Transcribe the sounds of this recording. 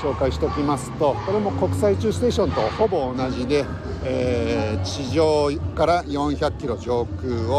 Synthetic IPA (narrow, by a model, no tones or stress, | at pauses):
ɕo̞ːkaiɕi̥t̪e̞okʲimasɨ̥t̪o̞ko̞ɾe̞mo̞ko̞kɯ̟̥sait͡ɕɨːsɨ̥t̪e̞ːɕõ̞nt̪o̞ho̞bo̞ːnaʑid̪e̞ | eːt͡ɕiʑoːkaɾajõ̞ɰ̃çakʲːiɾo̞d͡ʑo̞ːkɯːo